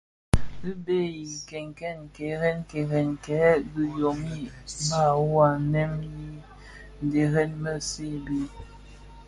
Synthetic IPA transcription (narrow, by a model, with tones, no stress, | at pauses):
i˦be˦ji˨kɛ˨ŋ˨kɛ˦˨n˨kɛ˨˦ɣɛ˦nkɛ˨ɣɛ˨nkɛ˨˦ɡi˨jo˨mi˦˨˦ma˦˨wa˨˦nɛ˦mji˦ | n˨de˨ɣɛ˦nmə˦˨se˦˨bi˦